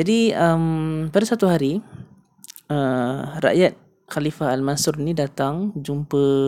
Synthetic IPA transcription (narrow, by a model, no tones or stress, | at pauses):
d͡ʒadiəmpadasat̪uɦaɾi | ərɾa̰ʔjat̪̚ | xalifaɦalmansʊɾinĩdat̪aŋd͡ʒumpə